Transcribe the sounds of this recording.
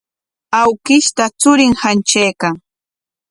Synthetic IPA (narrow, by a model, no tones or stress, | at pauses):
awkɪʃt̪at͡sʊɾɪŋhant͡ʃajkaŋ